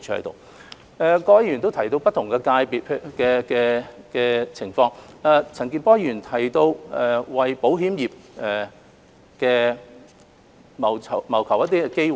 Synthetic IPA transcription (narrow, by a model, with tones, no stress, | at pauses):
t͡ʃʰy˧˥ɐ̰˧˥t̪o̰˨˩w | ɛː˨˩kɔː˧jɐ˥jyː˨˩nt̪o˥wt̪ʰɐ˨˩jt̪o˧wpɐ˥t̪ʰʊ˨˩ŋkɛː˧kaː˧jpiː˨t̚ʰkɛː˧kɛː˧kɛː˧t͡sʰɪ˨˩ŋfɔː˧ŋɛː˨˧t͡sʰɐ˨˩ŋki˧npɔː˥jyː˨˩nt̪ʰɐ˨˩jt̪o˧wʔɛː˨wɐ˨jpo˨˥wɦiː˨˥mjiː˨p̚ʔɛ˨ | kɛː˧ | mɐ˨˩wʰmɐ˨˩wkʰɐ˨˩wjɐ˥t̪̬iː˥ɛ˧ke˥jw